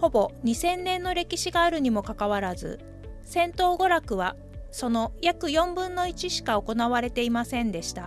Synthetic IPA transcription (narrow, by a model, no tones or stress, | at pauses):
ho̞bo̞ɲ̟isẽ̞nːẽ̞nːo̞ɾe̞kʲiɕiɡaːɾɯ̟ɲ̟imo̞kakaβ̞aɾazɨ̰ | sẽ̞nt̪o̞ːɡo̞ɾakɯ̟β̞a | so̞no̞jakɯ̟jõ̞mbɯ̟̃nːo̞it͡ɕiɕi̥kao̞ko̞naβaɾe̞t̪e̞imasẽ̞nd̪e̞ɕi̥t̪a